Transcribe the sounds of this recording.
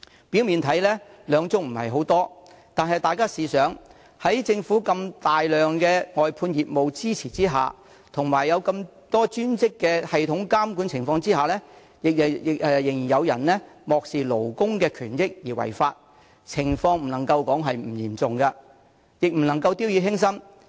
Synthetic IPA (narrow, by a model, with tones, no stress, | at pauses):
pi˨˥wmiː˨nt̪ʰɐ˨˥jlɛː˥lœː˨˧ŋt͡sʊ˥ŋm̩˨˩hɐ̰˨jɦo˨˥wt̪ɔː˥ | t̪aː˨nɦɐ˨jt̪aː˨jkaː˥siː˨sœː˨˥ŋ | hɐ˨˥jt͡sɪ˧ŋfuː˨˥kɐ˧mt̪aː˨jlœː˨ŋkɛː˧ŋɔː˨jpʰuː˧njiː˨p̚mo˨wt͡siː˥t͡sʰiː˨˩t͡siː˥ɦa̰ː˨˩ | t̪ʰʊ˨˩ŋmaː˨˩jːɐ˨˧wkɐ˧m | t̪ɔː˥t͡ʃyː˥nt͡sɪ˥kːɛː˧hɐ˨jt̪ʰʊ˨˥ŋkaː˥mku˨˥nt͡sʰɪ˨˩ŋfɔː˧ŋt͡siː˥haː˨lɛː˥ | jɪ˨k̚ɪ˨k̚ɛ˨jɪ˨˩ŋjiː˨˩njɐ˨˧wjɐ˨˩nlɛː˥mɔː˨k̚siː˨˩lo˨˩wkʊ˥ŋkɛː˧kʰyː˨˩njɪ˥k̚jiː˨˩wɐ̰˨˩jfaː˧t̚ | t͡sʰɪ˨˩ŋfɔː˧ŋm̩˨˩nɐ˨˩ŋkɐ˧wkɔː˨˥ŋɦɐ˨jm̩ː˨˩jiː˨˩mt͡sʊ˨ŋkɐ˧ | jɪ˨k̚m̩˨˩nɐ˨˩ŋkɐ˧wt̪iː˥wjiː˧hɪ˥ŋs̬ɐ˥m